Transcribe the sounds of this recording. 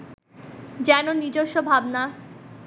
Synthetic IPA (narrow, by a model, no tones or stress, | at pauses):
d͡ʑɛnonid͡ʑoʃːobʱabna